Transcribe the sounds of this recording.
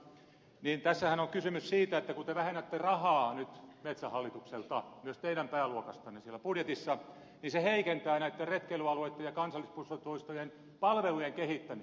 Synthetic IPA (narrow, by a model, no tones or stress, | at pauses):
niːnt̪æsːæhænoŋkysymyssiːt̪æet̪ːækut̪eʋæhenːæt̪ːerɑhɑːnyt̪met̪sæhɑlːit̪ukselt̪ɑmyøst̪eiɾæmpæːluokɑst̪ɑnːesielːˑæpudjet̪isːɑ | ninseheikent̪æːnæit̪ːerret̪kelyɑluet̪ːejɑkɑnsɑlːispusot̪oist̪ojen | pɑlʋelujeŋkehit̪ːæmi